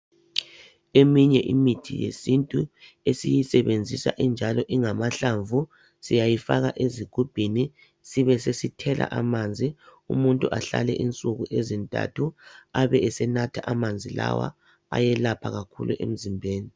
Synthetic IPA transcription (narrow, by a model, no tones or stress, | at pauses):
emiɲɛʔimitʰḭjḛsintʼu | esijisɛβend͡zʱisa̰ʔind͡ʒʱalɔʔiŋamaɬaɱvu | sijajifaɣaʔeziɡ̥ʱub̥ʱini | siβɛsesitʰɛlʔa̰ʔamand͡zʱiṵmuntʼuʔaɬa̰lɛʔint͡sʼuɣuʔezintʼa̰tʰuaβɛɛsɛnatʰaʔamand͡zʱila̰wa̰ | a̰jɛlapʰaɣakʰṵluʔem̩zimbʱeːni